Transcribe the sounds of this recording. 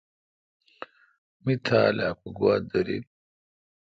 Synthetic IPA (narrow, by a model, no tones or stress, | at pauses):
mit̪ʰaːlaːpuɡwaːd̪ɐɾḭ